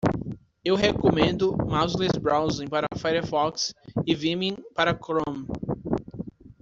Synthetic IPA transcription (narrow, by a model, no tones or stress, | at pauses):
ewɦekomẽnd̪ʊmawzlesbɾawzẽpaɾɐfajɾɐfɔksɪvĩmĩpaɾɐkɾõm